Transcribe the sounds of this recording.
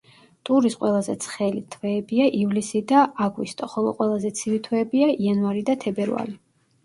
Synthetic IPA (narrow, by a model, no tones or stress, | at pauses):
t̪ʼuɾisqʼwɛlˠazɛt̪sʰχɛlit̪ʰwɛːbiaʔivlisid̪aaɡwḭst̪ʼɔχɔlˠɔ̰qʼwɛlˠazɛt̪sʰivit̪ʰwɛːbiaianvaɾid̪at̪ʰɛbɛɾa̰li